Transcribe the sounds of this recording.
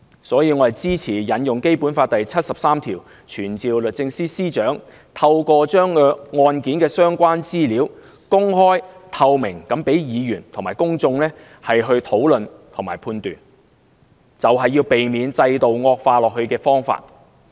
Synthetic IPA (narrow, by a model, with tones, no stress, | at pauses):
sɔː˨˥jiː˧ŋɔ˨˧˥ɐ˨jt͡siː˥t͡sʰiː˨˩jɐ˨˥njʊ˨ŋke˥jpuː˨˥nfaː˧t̚t̪ɐ˨jt͡sʰɐ˥t̚sɐ˨p̚saː˥mt̪ʰiː˨˩w | t͡ʃʰyː˨˩nt͡siː˨wlɵ˨t̚t͡sɪ˧ŋsiː˥siː˥t͡ʃœː˨˥ŋ | t̪ʰɐ˧wkɔː˧t͡ʃœː˥ŋː˧ŋɔː˧nkiː˨˥nkɛː˧sœː˥ŋkʷaː˥nt͡siː˥liː˨˥w | kʊ˥ŋhɔː˥jt̪ʰɐ˧wmɪ˨˩ŋkɐ˨˥mpe˨˥jjiː˨˧jyː˨˩nt̪ʰʊ˨˩ŋmaː˨˩jkʊ˥ŋt͡sʊ˧ŋlɛː˥ | hɐ˨jɦɵ˧ɥt̪ʰo˨˥wlɵ˨nt̪ʰʊ˨˩ŋmaː˨˩jpʰuː˧nt̪yː˨n | t͡sɐ˨wɦɐ˨jːiː˧wpe˨jmiː˨˧nt͡sɐ˧jt̪o˨wŋɔː˧k̚faː˧lɔː˨k̚hɵ˧ɥkɛː˧fɔː˥ŋfa̰ː˧t̚